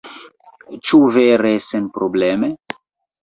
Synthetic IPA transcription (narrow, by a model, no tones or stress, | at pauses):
t͡ʃuveɾesenpɾobleme